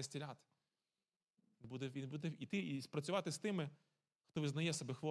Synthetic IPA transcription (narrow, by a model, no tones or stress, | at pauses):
ɐsʲtʲilʲat̪ɪ̥ | bud̪ɛʋʲinbud̪ɛit̪ɪispɾɐt͡sʲʊʋɑt̪ɪst̪ɪmɪ | xt̪ɔʋɪznɐjɛsɐbɛxʋɔ